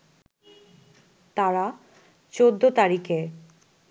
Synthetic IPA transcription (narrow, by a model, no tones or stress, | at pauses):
t̪aɾa | t͡ɕod̪ːot̪aɾike